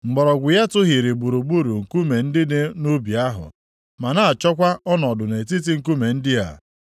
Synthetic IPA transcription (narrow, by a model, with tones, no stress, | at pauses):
ŋ͡m̩˨ɡ͡bɔ˨ɾɔ˨ɡʷʊ˨ja˦tʊ˦ɦi˨ɾi˨ɡ͡bu˨ɾu˨ɡ͡bu˦ɾu˨ŋ̩˨ku˦me˨n̩˦dɪ˦de˦nu˦bja˦ɦʊ̰˨ | ma˨na˦a˨t͡ʃɔ˦kʷa˦ʔɔ˦nɔ˨dʊ˨ne˨ti˦t̬i˦ŋ̩˦˨ku˦me˨n̩˦dɪ˦a̰˨